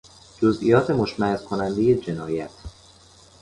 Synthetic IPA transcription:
d͡ʒozʔḭjɒːt̪ʰe̞moʃmæhezkʰo̞nænd̪eje̞d͡ʒe̞nɒːjæt̪ʰ

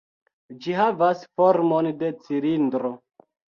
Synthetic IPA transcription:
d͡ʒiɦavasfoɾmonde̞t͡siɾindɾo

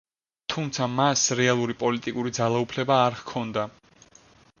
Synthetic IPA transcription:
t̪ʰumt̪sʰamasɾɛalˠuɾipʼɔlit̪ʼikʼuɾid̪zalˠaupʰlɛbaːɾhkʰɔnd̪a

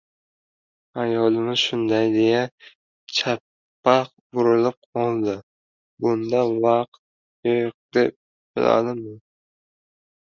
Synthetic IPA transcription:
ajɒlˠɪmɪz̥ʃʊnd̪ajd̪eja | t͡ʃʰapː | aq̚ | bʊɾɪlɪp̚qʰɒlˠd̪ɪ | bʊnd̪avɑq̚t̪̚ | joq̚d̪̥ep̚ | b̥ɪla̰d̪ɪmɪn

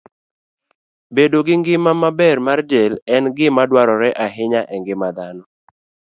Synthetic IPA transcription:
bedoɡɪŋɡɪmamabɛrmardelɛnɡɪmadwaɾɔɾɛʔaɦɪɲaʔɛŋɡɪmad̪anɔ

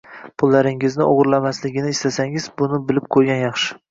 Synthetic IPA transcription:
pʰʊlˠːaɾɪŋɪznɪʔoʁɾlamaslɪɡʲɪnɪːst̪ʰasaŋɪz̥bʊnɪbɪlɪp̚qʰojɡʲanjɑχʃɪ̥

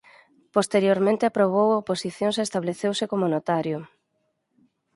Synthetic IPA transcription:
post̪eɾjoɾmẽnt̪eapɾoβ̞owaoposiθjõŋsest̪aβleθewsɪkomonot̪aɾjʊ

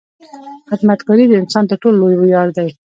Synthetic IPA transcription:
xɪd̪mat̪kɑɾid̪əɪnsɑnt̪əʈolːojbʊjɑɾd̪aj

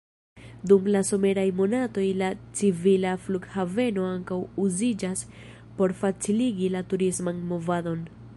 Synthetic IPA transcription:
dumlaso̞me̞ɾajmo̞nato̞jlat͡sivilafluɡhave̞no̞aŋkawuzid͡ʒas | po̞ɾfat͡siliɡilatuɾismanmo̞vado̞n

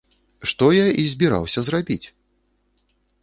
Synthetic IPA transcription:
ʂt̪ɔjaizʲbʲiɾa̰wsʲɐzrabʲit͡sʲ

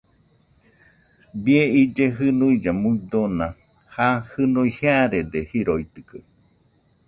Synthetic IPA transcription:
bieid͡ʒeɦɨnuid͡ʒamuid̪onã | hahɨnuiheaɾed̪ehiɾoit̪ɨkɨ

